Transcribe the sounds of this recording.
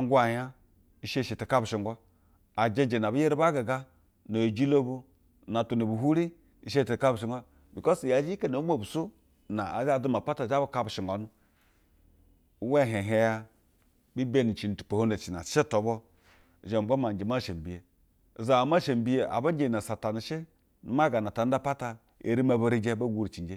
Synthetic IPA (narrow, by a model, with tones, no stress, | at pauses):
a˨ŋ˦ɡʷa˨ja˦ | i˨˦ʃe˦˨ʃe˨te˨ka˦bu˨ʃi˨ŋɡʷa˦ | a˨d͡ʒe˦d͡ʒe˨na˨bu˦je˦ɾi˦ba˦ɡa˨ɡa˦ | no˨d͡ʒi˦lo˦bu˦˨ | na˨tu˨ni˨bu˨ɦu˦ɾi˦ | i˨˦ʃ̬e˦˨te˨ka˦bu˨ʃi˨ŋɡʷa˦ | bi˨ko˦sja˨˦d͡ʒi˦ke˦no˨˦mʷ˦o˦˨bu˨so˦ | na̰˨a˨d͡ʒa˦˨du˦ma˨pa˦ta˨d͡ʒa˦ba˦ka˦bu˨ʃi˨ŋɡʷa˨˦nu˦ | we˦˨ɦe˨ɦe˦ja˦ | bi˦be˦˨ni˨t͡ʃi˨n˨tu̥˨po˨ho˦ne˨t͡ʃi˨na̰˨˦t͡ʃe˦to˨˦bɔ˦˨ | ʒe˨m̩˨ɡ͡bo˦ma˨d͡ʒe˨ma˦˨ʃe˨m˨bi˨je˨ | za˨a˨ma˦ʃe˨m˨bi˦je˨a̰˨ba˦ɲ˦d͡ʒe˨na˨sa˨ta˨ni˨ʃe˦ | nu˦ma˦ɡa˨na˨ta˨n̩˦da˦pa˦ta˨ | ḛ˨ɾi˦ma˨ba˦ɾi˦d͡ʒe˦bo˦ɡu˦ɾi˨t͡ʃi˨˦d͡ʒe˦